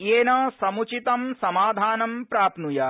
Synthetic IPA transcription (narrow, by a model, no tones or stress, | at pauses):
eːnɐsɐmut͡ʃit̪ɐmsɐmaːd̪ʱaːnɐmpɾaːpnujɐ